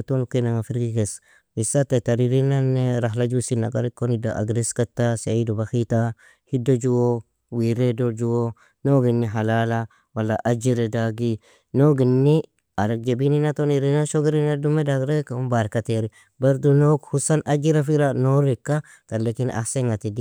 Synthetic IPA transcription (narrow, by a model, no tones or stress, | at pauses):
tonukenaŋafiɾɡikes | misatetaɾiɾinanːeɾaɦlad͡ʒusinaɡaɾikːonidaʔa̰ɡɾiskatːaseidubaxita | hidod͡ʒuwo | wiɾedod͡ʒuwo | noɡinːiɦalala | walːaʔad͡ʒiɾedaɡi | noɡinːi | aɾak̚d͡ʒebininat̪oniɾinaʃoɡiɾinadumedaɡɾekaumbaɾkateɾi | beɾdunokhusanʔad͡ʒiɾafiɾanoɾikːa | t̪alːekin̰ʔa̰hseŋat̪idi